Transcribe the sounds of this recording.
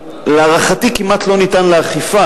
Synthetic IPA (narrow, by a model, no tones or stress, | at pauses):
leaʁaχat̪ikimʔat̪lo̞nit̪anleaχifa